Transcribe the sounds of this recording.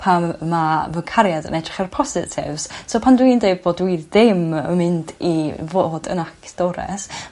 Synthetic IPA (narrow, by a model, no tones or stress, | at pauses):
pʰamːavəkʰaɾjadə̰nɛdrɪχɛrpʰɔsɪ̰tʰɪ̰vssoːpʰandwindejbboːdwiðːɪmə̰mɪndivoːdə̰nakʰd̥oɾɛ̰s